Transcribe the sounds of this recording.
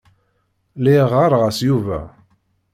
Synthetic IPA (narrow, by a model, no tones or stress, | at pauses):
liʁaɾˤʁæsjuvæ̰